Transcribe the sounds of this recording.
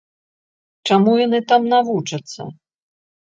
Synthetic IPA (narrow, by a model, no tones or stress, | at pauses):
t͡ʂamujanɨt̪amnavut͡ʂɐt̪sːɐ̰